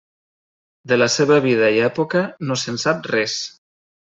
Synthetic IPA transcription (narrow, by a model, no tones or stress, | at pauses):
d̪elaseβaβ̞ið̞aiɛpokanosensap̚rɛs